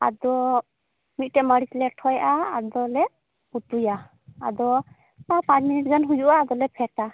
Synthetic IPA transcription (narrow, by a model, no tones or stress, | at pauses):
a̰d̪ɔ | mit̪̚ˀʈɛʔməɽit͡ʃlɛʈʰɔjʔaːd̪ɔlɛ | ut̪uja | a̰d̪ɔ | papãt͡ʃminiʈ̚ɡanɦujuʔaːd̪ɔlɛpʰɛʈa